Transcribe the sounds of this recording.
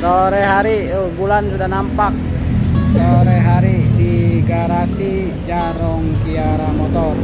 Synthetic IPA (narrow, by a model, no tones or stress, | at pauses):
soɾɛɦaɾi | ɡulansudahnampak̚ | soɾɛɦaɾidiɡaɾasi | d͡ʒaɾɔŋkiaɾamɔt̪ɔr